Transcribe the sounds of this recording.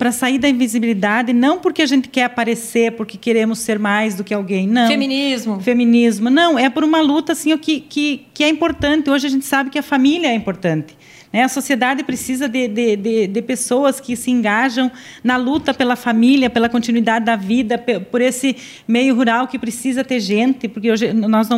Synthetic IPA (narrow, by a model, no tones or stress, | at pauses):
pɾɐsaiɾd̪ɐĩvizibilid̪ad̪ɪnɐ̃w̃poɾkɪaʒẽnt̪ɪ̥kɛɾapaɾeseɾpoɾkɪkeɾẽmʊseɾmajzd̪ʊkɪawɡẽj̃nɐ̃wẽminizmʊfemĩnizmʊnɐ̃w̃ɛpoɾũmɐlut̪ɐsĩʊkɪkɪkɪɛĩmpoɾt̪ɐ̃nt̪ɪoʒɪɐʒẽnt̪ɪ̥sabɪkɪɐfamiljɐɛĩmpoɾt̪ɐ̃nt̪ɪ̥ | nɛɐsosied̪ad̪ɪpɾesizɐd̪ɪd̪ɪd̪ɪd̪ɪpesowɐskɪsɪẽŋɡaʒɐ̃w̃ | nɐlut̪ɐpelɐfamiljɐpelɐkõnt̪inuid̪ad̪ɪd̪ɐvid̪ɐpepoɾesɪ | mejʊɦuɾawkɪpɾɪsizɐt̪eɾʒẽnt̪ɪpoɾkeoʒɪnɔznɐ̃